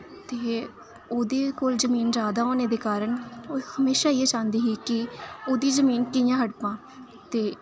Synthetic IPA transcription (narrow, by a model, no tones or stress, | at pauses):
t̪eː | oːd̪eːkoːlzəmiːnɾaːd̪aːoːneːd̪eːkaːɾəɳohəmeːʃaːieːt͡ʃãːnd̪iːɦiːkɪoːd̪iːzəmiːnkɪɪjãːɦəɽpãː | t̪eː